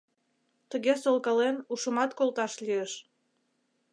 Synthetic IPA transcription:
t̪əɣesolˠkɑlenuʃəmɑt̪kolt̪ɑʃliəʃ

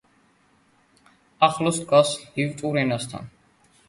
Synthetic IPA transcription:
aχlɔst̪kʰwashivt̪ʼuɾɛnast̪ʰa̰n

